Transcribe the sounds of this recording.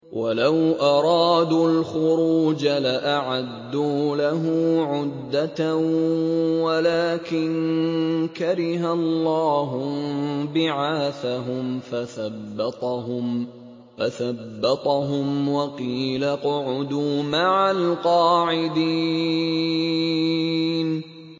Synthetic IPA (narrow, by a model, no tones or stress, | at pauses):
wʔalawʔɑɾˤɑːd̪ulxʊɾuːd͡ʒalaʔaʕad̪ːuːlaɦʊmːʕʊd̪ːat̪a | walaːkɪn | kaɾɪɦalːɑːɦʊbɪʕaːθaɦʊmfaθabːɑt̪ˤɑɦʊm | faθabːɑt̪ˤɑɦʊmwɑqiːlaqʊʕʊd̪uːmaʕalqɑːʕɪd̪iː | n